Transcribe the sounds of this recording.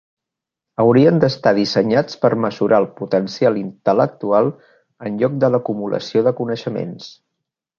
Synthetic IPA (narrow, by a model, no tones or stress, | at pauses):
əwɾiənd̪əst̪aðisəɲat͡spəɾməzuɾʔaəlˠput̪ənsialint̪ələk̚t̪ualˠ | ənʎɔk̚d̪ələkumulə̰sioðəkunəʃəmḛns